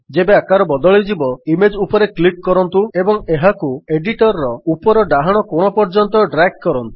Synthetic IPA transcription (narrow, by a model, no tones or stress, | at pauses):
d͡ʒebeakaɾɔbɔd̪ɔɭid͡ʒibɔimed͡ʒupɔɾeklik̚kɔɾɔnt̪uebɔŋeɦakueɖiʈɔɾɾɔupɔɾɔɖaɦaɽ̃ɔkoɽ̃ɔpɔɾd͡ʒɔnt̪ɔɖɾak̚kɔɾɔnt̪u̥